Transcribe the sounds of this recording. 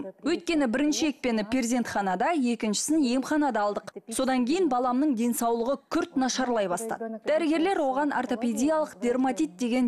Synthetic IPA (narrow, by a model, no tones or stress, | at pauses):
wɵjt̪̚kʲe̞nɪbɪɾɪnʃɪe̞k̚pe̞nɪpʲʰe̞ɾzʲe̞nt̪χɑnɑd̪ɑje̞kʲɪnʃɪ̥sɪnje̞mχɑnɑd̪ɑːlˠd̪əqso̞d̪ɑŋkʲʰejɪnbɑlˠɑmnəɴd̪e̞nsɑwlˠəʁəkʲʰʏɾt̪nɑʃɑɾlˠɑjbɑst̪ɑ̰d̪əd̪æɾɪɡʲe̞ɾle̞ɾwo̞ʁɑnʔa̰rt̪o̞pe̞d̪ʲijalˠəqd̪̥ʲe̞rmat̪ijt̪̚d̪e̞ɡʲe̞n